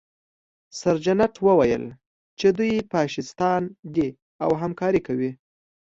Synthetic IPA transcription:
saɾd͡ʒanaʈwəwajə̰l | t͡ʃed̪ujpɑʃɪst̪ɑnd̪i | awɦamkɑɾikawi

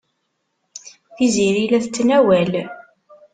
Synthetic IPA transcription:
θiziɾilæθət͡sːnæwæl

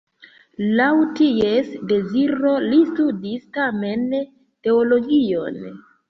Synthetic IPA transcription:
lawtie̞sde̞ziɾo̞listudistame̞n | te̞olo̞ɡio̞̰n

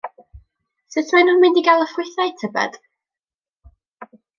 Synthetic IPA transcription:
sɨtʰmajnɔnmɪndiɡalˠəfɪθajtʰəbɛ̰d̥

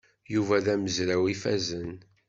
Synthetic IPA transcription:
juvæðæməzɾæwifæzən

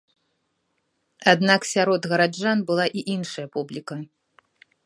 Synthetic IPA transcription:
ad̪naksʲaɾɔd̪ɣɐɾad͡ʐanbɨlˠaʔiʔinʂɐjɐpublʲikɐ

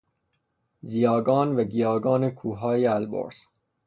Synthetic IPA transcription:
zijɒːɡɒːnvæɡijɒːɡɒːnekʰuːɦɒːjeælbo̰ɾs

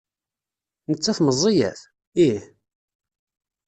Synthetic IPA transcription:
nət͡sːæθməzˤːijæ̰θ | ih

